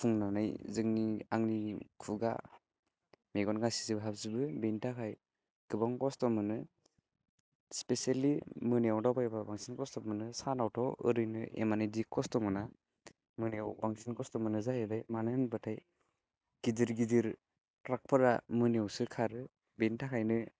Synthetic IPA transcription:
pʰuŋnanɯjzɯŋniaŋnikʰuɡa̰ | meɡɔnɡasi̥zibɯɦabzibɯbentakʰaj | ɡ̥ɯbɔŋkɔstɔmɯnɯ | spesalimɯnijawdawbaebabaŋsinkɔstɔmɯnɯsanawtʰɔwɯ̰ɾɯjnɯ̰ḛmanidikʰːɔstɔmɯna | mɯneawbaŋsinkɔstɔmɯnɯzajɯdajmanɯnbɯtʰaj | ɡ̥idiɾɡidiɾ | ɾak̚pʰɯɾa̰mɯnjawsɯkʰaɾɯ | bentʰakʰajnɯ

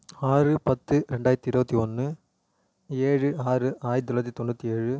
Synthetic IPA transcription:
aːrɯpɐt̪ːɯɾɛɳɖaːjɐɾt̪ːiɪɾɯbɐt̪ːiɔnːɯ | eːɻɯaːɾɯʔaːjd̪ɪɾɐt̪ːit̪ɔnːɯt̪ːieːɻɯ

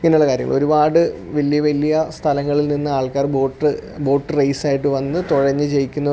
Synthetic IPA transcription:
ŋɐneuɭːɐkaːɾjɐ̰ŋːɐɭo̞ɾubaːɽɨʋɐlːijɐʋɐlːijɐst̪ʰɐlɐŋːɐɭilninːɨaːɭkaːrbo̞ːʈːɨbo̞ːʈːɨrɐjsaːjiʈːɨʋɐnːɨt̪oɻɐɲːɨt͡ɕe̞jikʲːunːɐ

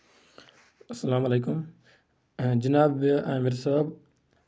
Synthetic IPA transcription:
ɐsːɐlaːmɐleːkʊm | d͡ʒɐnaːbãːmeɾsɐbaːb

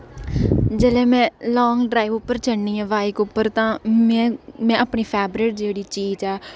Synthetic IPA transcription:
d͡ʒəleːmɛ̃ːlɔːŋɡɖɾaːiːʋʊpːəɾt͡ʃəɳniːɛ̃ːʋaːɪkʊpːəɾt̪ãːmɛ̃ːmɛ̃ːəpɳiːpʰɛːbɾeːʈ̚d͡ʒeːɽiːt͡ʃiːd͡ʒɛː

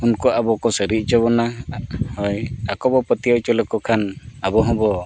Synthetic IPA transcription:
unkɔabɔkɔsəɾiʔ̪̚ˀt͡ʃɔβɔnahɔjakɔbɔpət̪ijawt͡ʃɔlɔkɔkʰanabɔɦɔ̃bɔ

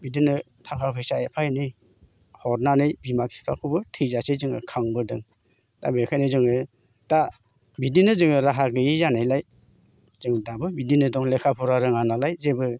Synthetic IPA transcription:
bidinɯ | tʰaŋkʰapʰɯjsaepʰajnɯj | hɔɾnanɯjbimaki̥kʰakʰɯbɯtʰɯjzasezɯŋɯ̰kʰaŋbɯdɯŋ | ta̰bekʰajnɯzɯŋɯ | da | bidinɯzɯŋɯɾaɦaɡɯjizanajlaj | zɯŋdabɯbidinɯdɔŋlekʰapʰɔɾaɾɯŋanalajzebɯ

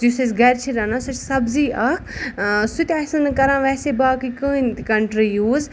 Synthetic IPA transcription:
zisɐsɡɐɾt͡ʃʰiɾɐnãsɐt͡ʃsɐbziːʔɐksut̪ʲasɐnkɐɾãːʋɛːsebaːkikɨːnt̪kɐɳʈɾijuːz

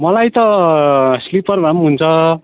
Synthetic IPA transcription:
mʌlajt̪ʌ | slipʌrbʱamɦunt͡sʰʌ

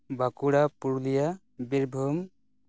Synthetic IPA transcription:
bakuɽapuɾlija | biɾbʱum

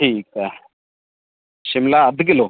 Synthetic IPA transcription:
ʈʰiːkɛ | ʃɪmlaɐd̪ɡɪloː

